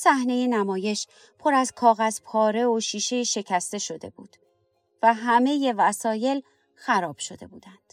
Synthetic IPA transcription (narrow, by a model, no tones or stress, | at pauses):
sæhne̞jenæmɒːje̞ʃ | pʰo̞ɾæzkʰɒːɣæzpʰɒːɾe̞oʃiːʃe̞jiʃe̞cʰæst̪e̞ʃo̞d̪e̞̰buːd̪̥ | væɦæme̞je̞væsɒːje̞l | xæɾɒːb̥ʃo̞d̪̥e̞̰buːd̪ænd̪̥